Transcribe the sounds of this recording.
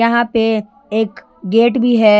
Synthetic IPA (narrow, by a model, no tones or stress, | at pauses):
jɐɦãpe | eːk | ɡeːʈbʱiɦɛː